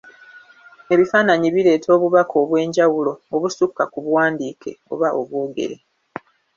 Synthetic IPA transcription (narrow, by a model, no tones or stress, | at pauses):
e̞βifaːnaɲiβile̞ːtʰo̞ːβuβakʰo̞ːβwe̞ːɲɟawulo̞oβusukːakuβwaːndiːkʰe̞̰o̞̰βaʔo̞̰βwo̞ːɡe̞̰ɾe̞